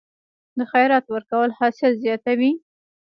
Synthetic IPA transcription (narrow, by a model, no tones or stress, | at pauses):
d̪əxajɾɑt̪wəɾkawəlhɑsɪlzjɑt̪awi